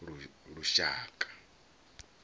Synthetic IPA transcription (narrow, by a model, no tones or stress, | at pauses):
uɺuʃaːkʼḁ